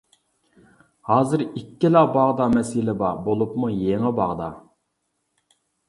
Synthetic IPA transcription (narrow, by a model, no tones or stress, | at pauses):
hɑːzɨɾikʲːilɑqbɑʁd̪ɑmɛsilɪbɑbolˠupmujeŋɪbɑʁd̪ɑ̰